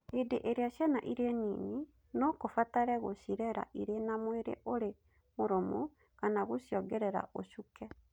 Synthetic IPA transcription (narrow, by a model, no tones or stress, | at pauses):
edeʔeɾeaʃjɛnaʔiɾenḭːni | nɔkofataɾɛɣoʃiɾɛɾa̰ʔiɾenamweɾḛʔoɾe | moɾomu | kanaɣoʃjɔɡɛɾɛɾa̰ʔoʃukɛ